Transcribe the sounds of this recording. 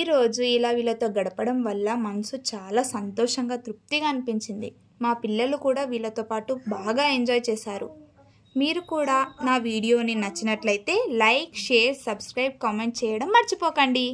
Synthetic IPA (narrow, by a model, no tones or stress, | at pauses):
iːɾo̞ːd͡ʒuilaːʋiːlːɐt̪o̞ːɡɐɽɐpɐɽɐmʋɐlːɐmɐnɐsut͡ʃaːlaːsɐnt̪ɔːʂɐŋɡaːt̪ɾuk̚t̪iɡaːnipiɲt͡ʃind̪ḭ | maːpilːɐlukuːɽaːʋiːlːɐt̪o̞ːpaːʈubaːɡaːe̞ɲd͡ʒɔːjt͡ʃɛːsaːɾṵ | miːɾukuːɽaːnaːʋiːɽijo̞ːninɐt͡ʃːinɐʈlɐjit̪e̞ːlɐjkʂeːɾsɐbskɾɐjp̚kaːme̞ɳʈ̚t͡ʃɛːjɐɽɐmːɐɾt͡ʃipɔːkɐɳɖi